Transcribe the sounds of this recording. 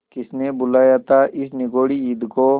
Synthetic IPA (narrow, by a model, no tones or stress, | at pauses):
kɪsnebʊlaːjaːt̪ʰaʔɪsnɪɡoːɽiiːd̪ko